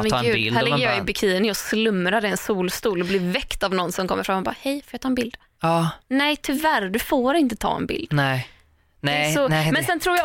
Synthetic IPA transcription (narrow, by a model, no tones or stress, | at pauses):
mɛɡʉːhæɾlɡːəɾjɑɪbɪkʰiːənɪɔslɵmːɾad̪əɛnsuːlst̪uːlɔblɪɾvɛkt̪avnɔnːsɔmkʰɔmːəɾfɾamːɔbɑ̰ːhɛjfɔɾjɑt̪ʰɑːɛnbɪld̪̥ | nɛt̪ʰʏvæɾd̪ɵfoːɾɪnt̪ət̪ʰɑ̰ːɛ̰nbɪ̰ld̪ɛ | sɔmɛnsɛnt̪ʰɾuːɾja